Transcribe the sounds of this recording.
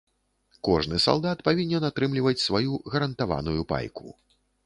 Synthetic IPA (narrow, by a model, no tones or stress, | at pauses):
kɔʐnɨsa̰lˠd̪at̪pavʲinʲːɛnat̪ɾɨmlʲivɐt͡sʲsvajuɣɐɾɐnt̪ava̰nujupa̰jkṵ